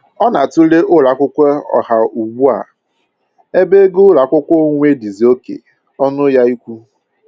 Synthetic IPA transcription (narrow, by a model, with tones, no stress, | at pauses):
ɔ˦na˨tʊ˦le˦ʔʊ˦ɾa˨kʷʊ˦kʷe˦ɔ̰˨ha˨u˨ɡ͡bu˦a̰˨ | e˦be˦ɡʊ˦ɾa˨kʷʊ˦kʷo˦ŋʷ˦e˦di˨zi˨o˦kḛ˨ | ɔ˦nʊ˦ja˦i˦kʷu˦